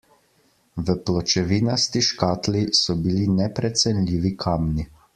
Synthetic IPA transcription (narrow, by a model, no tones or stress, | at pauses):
ʋəplɔt͡ʃɛʋiːnast̪iʃkaːt̪lisɔbilinɛpɾɛt̪sɛnlʲiːʋikʰaːmni